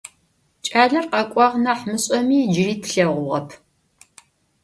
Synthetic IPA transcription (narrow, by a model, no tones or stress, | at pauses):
t͡ʃʼaːɮɐrqɐkʷʼɑʁnɐħmɨɕʼɐmiːd͡ʒɪriːtʰɬɐʁʷʊʁɐpʰ